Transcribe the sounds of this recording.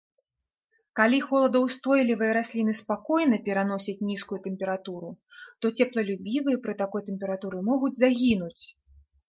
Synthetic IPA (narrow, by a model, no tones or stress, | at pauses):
kalʲixɔlˠɐd̪ɐwst̪ɔjlʲivɨjɐɾasʲlʲin̪ɨspakɔjnɐpʲɛɾanɔsʲɐt͡sʲnʲiskujut̪ɛmpʲɛɾat̪uɾut̪ɔt͡sʲɛplˠɐlʲubʲivɨjɐpɾɨt̪akɔjt̪ɛmʲpʲɛɾat̪uɾɨmɔɣud͡zʲzaɣʲinut͡sʲ